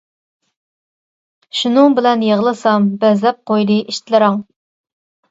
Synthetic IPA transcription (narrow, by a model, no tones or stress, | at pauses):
ʃunɨŋbɪlɛnjeʁlˠɨsɑmbɛzlɛp̚qʰojd̪ɨʔiʃt̪lɨɾɑŋ